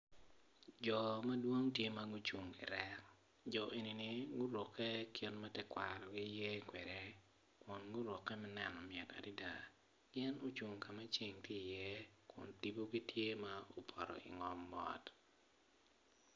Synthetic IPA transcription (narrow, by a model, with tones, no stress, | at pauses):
d͡ʒɔ˨mɐ˦dwo˦ŋtje˦ma˦ɡʊ˦t͡ʃu˨ŋɪ̰˨ɾɛ˦k | d͡ʒɔ˨ʔe˨ni˨nɪ˨ɡʊ˦ɾwɔ˨kʰːɛ˦kʰɪ˦nmɛ˦tɛ˦kwa˨ɾɔ˨ɡɪ˦jɛ˦kwɛ˨ɾɛ˦ | kʊ˨nɡʊ˦ɾɔ˨kːɛ˦mɛ˦nɛ˨nɔ˨mɪɛ˨ta̰˨di˦da˨ | ɡɛ˦no˦t͡ʃu˨ŋka˨mɛ˦t͡ʃi˦ŋtɪ˦˨jɛ˦kʊ̰˨nti˨bo˦ɡi˦tʰje˦ma˦o˨pʰɔ˨ɾɔ̰˨ɪ̰˨ŋɔ˦mːɔ̰˦t